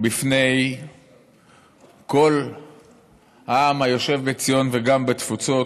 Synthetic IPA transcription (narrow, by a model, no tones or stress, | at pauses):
bifne̞j | ko̞l | haamhajo̞ʃe̞vbet͡sijo̞nveɡambet̪fut͡so̞